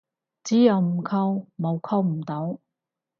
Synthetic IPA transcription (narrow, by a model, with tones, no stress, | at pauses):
t͡siː˨˥jɐ˨˧wm̩˨˩kʰɐ˧wmo˨˧wkʰɐ˧wm̩˨˩t̪o˨˥w